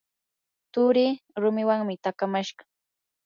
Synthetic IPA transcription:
t̪ʊɾɪːɾʊmɪwaŋmɪt̪akamaʃɢɑ

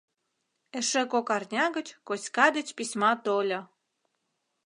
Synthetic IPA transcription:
eʃĕkokɑrnʲɑɣə̆t͡ɕkosʲkɑd̪ə̆t͡ɕpisʲmɑt̪olʲo

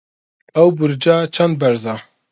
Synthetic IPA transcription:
ɛwbɨɾd͡ʒaːt͡ʃʰɛnd̪̚bɛɾzɑː

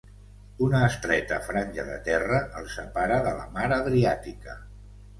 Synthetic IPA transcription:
unəːst̪ɾɛt̪ə̰fɾanʲʒəðə̰t̪ɛrəʔəlˠsəpaɾəðələ̰maɾəðɾiat̪ikə

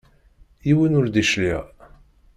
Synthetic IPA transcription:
jiwinʊɾd̪iʃliʁ

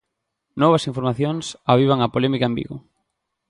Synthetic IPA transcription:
nɔβɐsiɱfoɾmaθjoŋsaβ̞iβaŋɐpolɛmikaɐembḭɣʊ̰

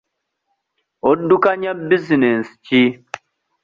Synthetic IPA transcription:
odukaɲabizinɛnst͡ʃi

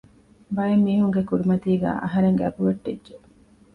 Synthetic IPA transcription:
bɐjemːiːɦuŋɡekuɾimɐt̪iːɡæ̰ːʔɐ̰ɦɐɾeŋɡæbuʋɐʈːedʒe

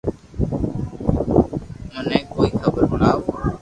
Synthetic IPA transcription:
nənẽːkoːiːxʰəbəɾmʊlaːoː

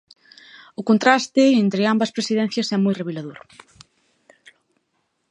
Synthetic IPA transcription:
ʊkont̪ɾast̪ɪent̪ɾɪambɐspɾesiðɛn̟θjɐsɛmojreβelaðoɾ

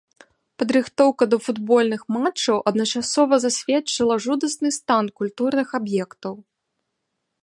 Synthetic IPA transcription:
pɐd̪ɾɨxt̪ɔwkɐd̪ɐfud̪bɔlʲnɨxmat͡ʂːɐwʔɐd̪nɐt͡ʂasɔvɐzasʲvʲɛt͡ʂɨlˠɐʐud̪ɐsnɨst̪ankulʲt̪urnɨxabjɛkt̪ɐw

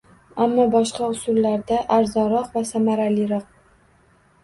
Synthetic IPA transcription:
amːɒbɒʃqɑʊsʊlːaɾd̪aʔaɾzɒnɾɒqvasamaɾaliɾɒq̚

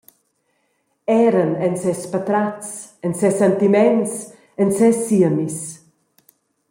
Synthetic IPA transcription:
ɛɾənɛnsɛspat̪ɾasənsɛsɛnt̪imɛns | ənsɛsiəmis

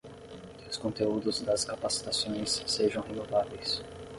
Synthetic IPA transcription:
kkɪʊskõnt̪eud̪ʊzd̪ɐskapasi̥t̪asõj̃sːeʒɐ̃w̃ɦenovavejs

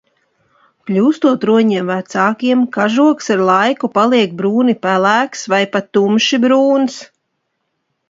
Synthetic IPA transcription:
klʲuːst̪uɔt̪ɾuɔɲiɛɛmvæt̪saːkiɛmkaʒuɔksaɾlˠajkupalˠiɛk̚bɾuːnipælæːksvajpat̪ːumʃibɾuːns

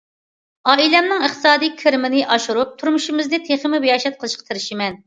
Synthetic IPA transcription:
ɑːilɛmnɪŋɨχt̪ʰɨsɑːd̪ijkʲʰeɾmɪnɪʔɑʃuɾup̚t̪ʰuɾmuʃimɪznɪt̪ʰeχɪmɪbejɑʃɛt̪̚qʰəlˠɨʃqʰɑ̥t̪ʰeɾɪʃimɛn

